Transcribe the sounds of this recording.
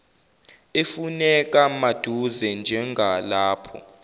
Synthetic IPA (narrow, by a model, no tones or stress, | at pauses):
efunɛk̬ʼamad̥ʱuzɛnd͡ʒʱɛŋɡʱalaːpʰɔ̰